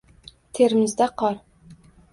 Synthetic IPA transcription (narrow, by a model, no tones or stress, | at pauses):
t̪ʰeɾmɪzd̪æqɑɾ